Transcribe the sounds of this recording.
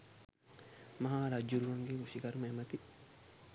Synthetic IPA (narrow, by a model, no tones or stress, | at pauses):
mɐɦaːɾad͡ʒːuɾuʋɐŋɡeusikɐɾumɐemɐt̪i